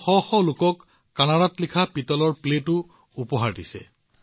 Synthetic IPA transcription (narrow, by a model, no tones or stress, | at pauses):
xɔxɔlʊkɔkː | anaɹatlikʰapitɔlɔɹpletʊ | upɔɦaɹdisɛ̰